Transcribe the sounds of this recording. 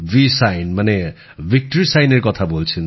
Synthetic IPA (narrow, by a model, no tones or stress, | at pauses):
bisajnmane | bʱik̚ʈoɾisajneɾkɔt̪ʰabolt͡sʰin